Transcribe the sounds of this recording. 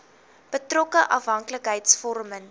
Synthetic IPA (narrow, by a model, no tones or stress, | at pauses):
b̥ətrɔkəʔɐfɦɐŋkləkɦəjtsfɔrmən